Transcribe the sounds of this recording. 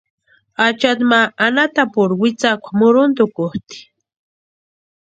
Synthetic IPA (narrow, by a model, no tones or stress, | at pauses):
at͡ʃat̪̬maːnat̪apʊɾwɪt͡sakʷḁmʊɾʊnt̪ʊkʊht̪i̥